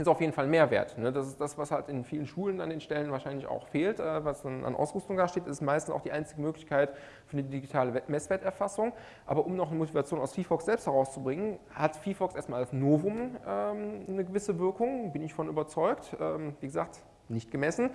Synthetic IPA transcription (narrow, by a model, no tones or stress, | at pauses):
ʔɪstaʊfjeːdn̩falnmeːɐvḛɐtnədasɪsd̥asv̥ashaltɪnfiːlənʃuːlənandeːnʃtɛlənvaːʃaɪnlɪça̰ʊxfeːltʔɛːvasd̥anʔa̰nʔa̰ʊsʁ̥ʏstʊŋdaːʃteːtɪsɪstmaɪstn̩sʔaʊxd̥iːʔaɪnt͡sɪɡəmøːklɪçkʰaɪt | fyːɐnədidiɡitʰaːləmɛsv̥eɐtɛɐfasʊŋ | ʔaːbɐʔʊmnɔχnəmotivat͡sjoːnaʊsfiːfɔksz̥ɛlpsthɛɐʁaʊst͡subʁɪŋən | hatfiːfɔksʔeːɐstmaːlasnoːvʊmʔɛːmnəɡəvɪsəvɪɐkʊŋbɪnɪçfɔnʔyːbɐt͡sɔʏktʔɛːmviːɡəzaːkt | nɪçt̚ɡ̥əmɛsn̩